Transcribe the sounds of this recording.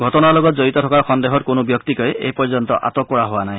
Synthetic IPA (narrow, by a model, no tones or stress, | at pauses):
ɡʱɔtɔnalɔɡɔt̪̚d͡ʒɔit̪ɔt̪ʰɔkaɾxɔnd̪eɦɔɾkonubjɔkt̪ikɔeḛpɔɹd͡ʒɔnt̪ɔ̰ʔa̰t̪ɔkɔɹaɦoanaj̃